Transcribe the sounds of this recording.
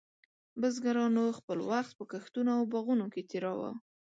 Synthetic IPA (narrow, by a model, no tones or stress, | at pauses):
bəzɡaɾɑnoxpəlwaxt̪̚pəkaxt̪unoawbaɣunoket̪iɾɑwa̰